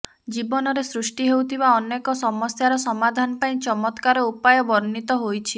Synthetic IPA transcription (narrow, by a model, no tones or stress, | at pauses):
d͡ʒibɔnɔɾesɾusʈiɦewt̪ʰibaɔnːekɔsɔmɔsjaɾɔsɔmad̪ʱanɔpaĩt͡ʃɔmɔt̪kaɾɔupajɔbɔɾnit̪ɔɦojt͡ʃʰi